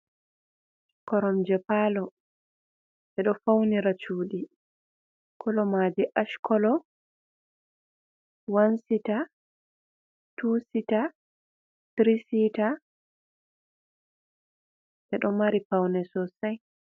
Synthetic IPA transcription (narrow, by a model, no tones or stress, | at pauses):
kɔɾɔmd͡ʒɛpaːlɔ | ɛɗɔfawniɾat͡ʃuːɗi | kʰɔlɔmaːd͡ʒiʔaʃkɔlɔ | wansita | tuːsita | tɾisita | ʔɛɗɔmaɾipawnɛsɔsaj